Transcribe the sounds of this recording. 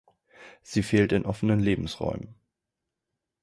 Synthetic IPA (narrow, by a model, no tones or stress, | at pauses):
z̥iːfeːltɪnʔɔfənənleːbm̩sʁɔ̰ʏmən